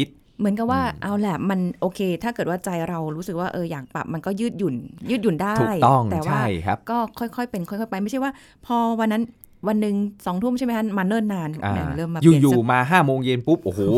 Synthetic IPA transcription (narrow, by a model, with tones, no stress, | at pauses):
i˦˥t̪̚ | mɯ˩˦ənka˨˩p̚waː˥˩ʔa˧wlɛ˨˩ma˧nʔoː˧kʰeː˧t̪ʰaː˥˩kɤː˨˩t̪̚waː˥˩t͡ɕa˧jɾa˧wɾuː˦˥sɯ˨˩k̚waː˥˩ʔɤː˧jaː˨˩k̚pa̰˨˩p̚ma˧nkɔː˥˩jɯː˥˩t̪̚ju˨˩njɯː˥˩t̪̚ju˨˩ndaː˥˩˨jt̪ɔ˥˩ŋɛː˨˩waaː˥˩jʰkɔː˥˩kʰɔ˥˩jkʰɔ˥˩jpe˧nkʰɔ˥˩jkʰɔ˥˩pa˧jma˥˩jt͡ɕʰwaː˥˩ | pʰɔː˧wa˧nːa˦˥n | wa˧nːɯ˨ŋsɔː˩˦ŋt̪ʰu˥˩˨mt͡ɕʰa˥˩jma˦˥a˥maː˧nɤː˥˩nːaː˧na˧ja̰˨˩ŋlɤː˥˩mːa˧juː˨˩˨juː˧˨˩maː˧ɦaː˥˩moː˧ŋje˧npu˦˥p̚ʔoː˧˩hoː˧˨˩